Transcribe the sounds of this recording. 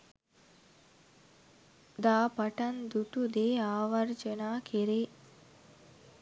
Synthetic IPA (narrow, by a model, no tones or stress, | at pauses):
d̪aːpɐʈɐnd̪uʈud̪eːaːʋɐɾd͡ʒənaːkʰeɾeː